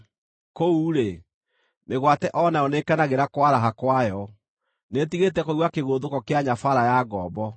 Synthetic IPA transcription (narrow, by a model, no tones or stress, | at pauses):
kouːɾe | meɣwatɛʔɔnaɔnekanaɣeɾakwaɾaɦakwajɔ | netiɣetɛkowakeɣoðokɔkeaɲafaɾajaːɡɔːbɔ